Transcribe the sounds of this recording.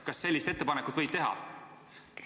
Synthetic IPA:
kɑsːe̞lʲːist̪e̞t̪ːepɑnekut̪vɤ̞jd̪̚t̪e̞ɦɑ̰

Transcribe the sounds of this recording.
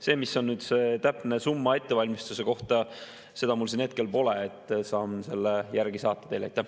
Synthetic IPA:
se̞ːmiso̞nːyːd̪̥set̪æpne̞sumːɑe̞t̪ːe̞vɑlʲmist̪use̞ko̞ht̪ɑ | se̞d̪̥ɑmulsine̞t̪̚ke̞lpo̞leːt̪ːˑsɑːmse̞lːejæɾɡ̥isɑːt̪ːˑɑd̪̥elɑ̰jt̪ːˑæh

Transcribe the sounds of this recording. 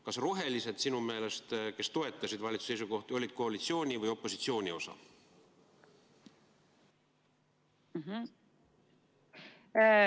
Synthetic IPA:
kɑsroɦe̞lise̞d̪sinume̞ːle̞st̪ke̞st̪o̞e̞t̪ːˑɑsid̪vɑlʲit̪su̥se̞js̬uko̞ht̪io̞lʲid̪̥ko̞ɑlʲit̪sio̞ːnʲivɯjo̞pːˑo̞sit̪sio̞ːnʲio̞sɑ̰ | ɦ̩

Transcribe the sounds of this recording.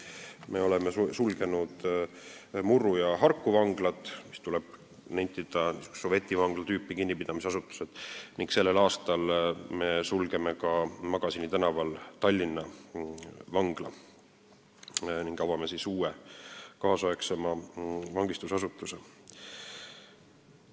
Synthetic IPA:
me̞o̞lemesulɡ̥e̞nud̪ | murːujɑɦɑrkˑːuvɑŋɡ̥lɑt̪ːˑmist̪ulɛb̥ | nejt̪ːˑid̪̥ɑsove̞t̪ːˑivɑŋɡ̥lɑt̪yːpːikinʲːipid̪̥ɑmiseɑsut̪ːˑu̥sed̪̥niŋɡkse̞lːe̞lɑːst̪ɑlme̞sulɡe̞mekɑmɑɡ̥ɑsinit̪ænɑvɑlt̪ɑlʲːinːɑ | vɑŋɡ̥lɑ | niŋɡ̥ɑvɑmesisuːekɑːsoeksemɑvɑŋɡist̪usɑsut̪ːˑuse

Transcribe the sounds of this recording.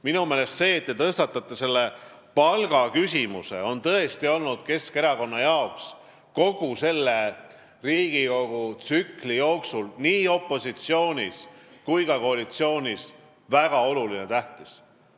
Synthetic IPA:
minume̞ːle̞st̪se̞ːt̪ːet̪ɤst̪ɑt̪ːˑɑt̪ːˑese̞lːe̞ | pɑlɡ̥ɑkysʲimuse̞̰o̞nt̪ɤ̞e̞st̪io̞lnud̪̥ke̞ske̞ɾɑko̞nːɑjɑoks | ko̞ɡ̥use̞lːe̞ | riːɡ̥iko̞ɡ̥ut̪sykˑlijo̞ːksulniːo̞pˑːo̞sit̪sio̞ːnʲiskujkɑko̞ɑlit̪sio̞ːnʲis | væɡ̥ɑo̞lulinet̪æht̪is

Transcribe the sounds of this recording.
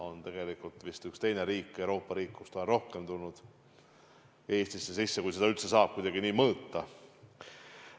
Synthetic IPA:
o̞nt̪e̞ɡ̥e̞likult̪ˑvist̪ykst̪e̞jne̞ɾiːkːˑewɾo̞ːpːɑɾiːkːust̪onɾo̞hke̞mt̪ulnud̪̥ | e̞ːst̪isːe̞sisːe̞kujse̞d̪ɑylt̪se̞sɑːb̥̚kujd̪̥ɑɡ̥iniːmɤːt̪ːɑ

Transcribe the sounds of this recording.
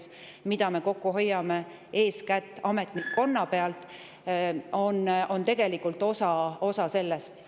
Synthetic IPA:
smid̪̥ɑme̞ko̞kːuɦo̞jːɑme̞ | e̞ːskæt̪ːˑɑme̞t̪ˑnikːo̞nːɑpe̞ɑlt̪ˑ | o̞no̞nt̪e̞ɡ̥e̞likːult̪ːˑo̞sɑo̞sɑse̞lːest̪

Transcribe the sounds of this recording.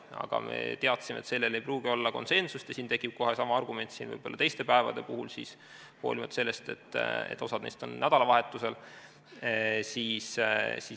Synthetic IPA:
ɑ̰ɡ̥ɑ̰me̞̰t̪e̞ɑt̪ːˑsimḛt̪se̞lːe̞le̞jpruːɡ̥io̞lːɑko̞̰nse̞nsust̪jɑsiːnt̪e̞kːˑib̥̚ko̞ɦesɑmɑɑrɡume̞nʲt̪siːnvɤ̰jbo̞lːɑt̪ejst̪e̞pæevɑ̰d̪̥e̞puɦulsḭs | ho̞̰ːlimɑt̪ːˑse̞lːe̞st̪e̞t̪ːˑḛt̪ːˑo̞sɑd̪̥nejst̪o̞nːæd̪̥ɑlɑvɑɦe̞t̪ːˑuse̞l | siːssi

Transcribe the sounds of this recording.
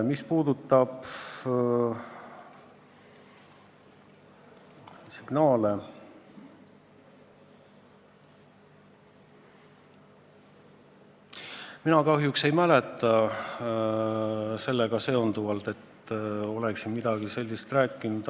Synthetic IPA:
mispuːd̪ut̪ːˑɑb̥ | siɡ̥nɑːle | minɑkɑɦjukse̞jmæle̞t̪ːˑɑ | se̞lːeɡ̥ɑse̞ond̪uvɑlt̪e̞t̪ːo̞leksimid̪̥ɑɡ̥ise̞lʲːist̪ræːkːˑinud̪̥

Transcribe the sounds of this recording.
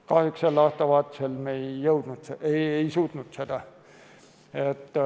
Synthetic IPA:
kɑhjukselːɑːst̪ɑʋɑːt̪ːˑe̥selmejːɤwd̪̥nut̪seeejsuːt̪nut̪sed̪̥ɑ | et̪ː

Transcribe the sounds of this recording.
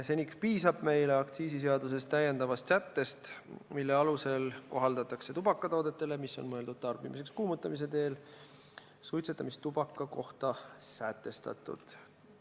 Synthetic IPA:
se̞nikspiːsɑb̥me̞jleɑkt̪siːsis̬e̞ɑd̪us̬e̞st̪ːæjːe̞nd̪̥ɑvɑst̪sæt̪ːe̞st̪milːe̞ɑluse̞lko̞ɦɑld̪ɑt̪ːˑɑkse̞t̪ub̥ɑkˑːɑt̪oːd̪̥et̪ːˑe̞le̞misːo̞̰nmɤe̞ld̪ud̪̥̚t̪ɑrbimis̬e̞kskuːmut̪ːˑɑmis̬e̞t̪e̞ːl | sujt̪set̪ːˑɑmist̪t̪ubɑkːˑɑko̞ht̪ɑsæt̪ːˑe̞st̪ɑ̰t̪ːˑṵd̪̥

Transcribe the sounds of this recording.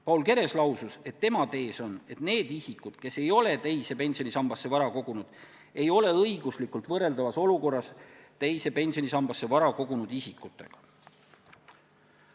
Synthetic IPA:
pɑulke̞ɾe̞slɑwsuse̞t̪ːe̞mɑt̪e̞ːso̞ne̞t̪ne̞ːd̪̥isikːˑud̪̥ke̞se̞jo̞le̞t̪ejse̞pe̞nʲsio̞nisɑmb̥ɑsːe̞vɑɾɑko̞ɡ̥unud̪̥ | e̞jo̞le̞ɤiɡ̥uslikːˑult̪vɤrːe̞ld̪ɑvɑso̞luko̞rːɑst̪ejse̞pe̞nʲsio̞nisɑmb̥ɑsːe̞vɑɾɑko̞ɡ̥unud̪̥isikːˑut̪ːˑe̞̰ɡ̥ɑ̥

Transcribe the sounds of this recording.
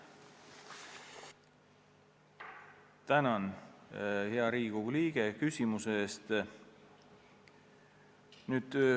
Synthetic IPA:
t̪ænɑn | heɑɾiːɡ̥uliːɡ̥ekysʲimuseeːst̪ | nyːd̪̥ø

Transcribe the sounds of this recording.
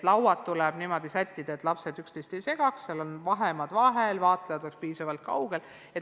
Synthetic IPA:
t̪lɑwwɑt̪ːulɛb̥nimo̞d̪̥isæt̪ʲːid̪ɑet̪ˑlɑpse̞d̪ykst̪ejst̪e̞jse̞ɡ̥ɑksːelonvɑɦemɑd̪̥vɑɦe̞lvɑːt̪ˑlejɑd̪̥okspiːsɑvɑlt̪̚kɑ̰wɡ̥e̞l | e

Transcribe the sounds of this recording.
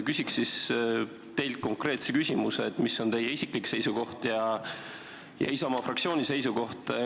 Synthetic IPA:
kysʲiksːis | t̪e̞jlt̪̚ko̞ŋkre̞ːt̪sekysʲimuseːt̪misːo̞nt̪e̞jeisʲiklikse̞jsuko̞ht̪jɑ | jɑ̰isɑmɑfrɑk̪̚sio̞ːnʲise̞jsuko̞ht̪

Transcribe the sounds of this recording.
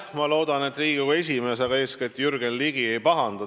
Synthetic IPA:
mɑlo̞ːd̪ɑne̞t̪ːˑriːɡ̥ikue̞s̬ʲime̞s̬ɑɡɑe̞ːskiet̪ːjyrɡ̥enliɡie̞jpɑɦɑnd̪̥ɑ

